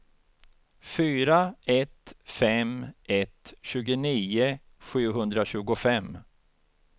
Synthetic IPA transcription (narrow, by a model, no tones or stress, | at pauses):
fyːɾaɛt̪fɛmɛt̪ɕʉ̟ːɡʊniːʊ | ɧʉ̟ːɦɵnd̪ɾaɕʉ̟ːɡʊfɛm